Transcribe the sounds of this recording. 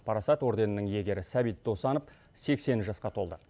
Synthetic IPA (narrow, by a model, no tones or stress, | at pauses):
pʰɑɾɑsɑt̪wo̞ɾd̪e̞nənəŋje̞ɡʲe̞ɾɪsæbijt̪̚d̪o̞sɑnəp | se̞kse̞nɪʒɑsqɑt̪ʰo̞lˠd̪ə